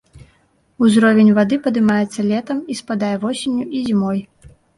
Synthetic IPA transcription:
uzɾɔvʲenʲvad̪ɨpɐd̪ɨmajɛt̪sːɐlʲɛt̪ɐmispad̪ajɛvɔsʲenʲːuizʲimɔj

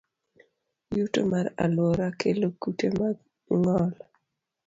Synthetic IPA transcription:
juto̰maɾa̰lwɔɾakʰelokutemaɡ | ŋɔl

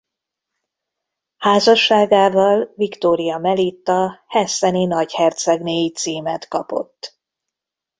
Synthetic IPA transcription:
haːzɒʃːaːɡaːvɒlvikt̪oːɾijɒmɛlit̪ːɒhɛsɛninɒɟhɛrt̪sɛɡneːjit̪siːmɛt̪kɒpo̰t̪ː

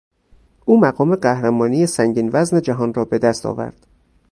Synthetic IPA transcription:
ʔuːmæɣɒːme̞ɢæhɾæmɒːnijesæŋɟiːnvæzned͡ʒæɦɒːnrɒːbe̞d̪æst̪ʰɒ̰ːvæ̰ɾd̪̥

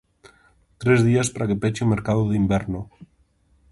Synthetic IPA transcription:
t̪ɾezðiaspaɾakepet͡ʃeumeɾkaðoðimbeɾno

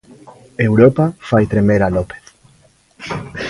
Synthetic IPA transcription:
ewɾopafajt̪ɾemeɾalopeθ

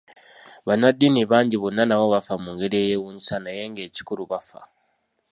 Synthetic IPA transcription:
βanadːiniβaːɲɟiβo̞nːanaβo̞βafamuŋɡe̞ɾie̞ːjewuːɲisanaje̞ŋɡe̞ːci̥kuɾuβafa̰

